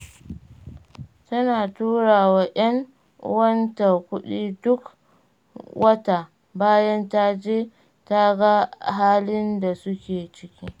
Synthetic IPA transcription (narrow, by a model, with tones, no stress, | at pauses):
tɐ˦naː˨tuː˦ɽaː˨waː˨ʔɐ˦ŋ | wɐ˦nta˨kʷʊ˦ɗiː˦dʊ˦k | wʔɐ˦ta˨ | baː˦jɐ˦nta˦d͡ʒeː˦ | ta˦ɡa˦ɦaː˦lɪ˦nda˨sʊ˦kʲeː˨t͡ʃɪ˦kʲiː˦